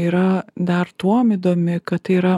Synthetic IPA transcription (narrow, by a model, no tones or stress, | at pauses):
iːɾɐd̪ɐɾt̪uɔmid̪oːmʲɪkɐt̪tɐɪiːɾɐ